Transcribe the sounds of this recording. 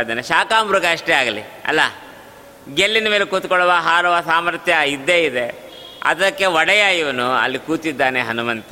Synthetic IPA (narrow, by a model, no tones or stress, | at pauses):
d̪ɐneʃaːkaːmbɾuɡɐɐʂʈeaːɡɐlḭɐ̰lːɐ̰ | ɡelːinɐmeːlekuːt̪kɔɭːɐʋɐɦaːɾɐʋɐsaːmɐɾt̪ʰjɐid̪ːe̞id̪e̞ | ɐ̰d̪ɐkːeʋɐɽɐjaiʋɐnuɐ̰lːikuːt̪id̪ːaːneɦɐnumɐnt̪i